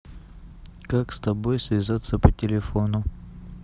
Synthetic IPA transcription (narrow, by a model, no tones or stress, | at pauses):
kakst̪ɐbojsvʲɪzat̪səpətʲɪlʲɪfo̞nʊ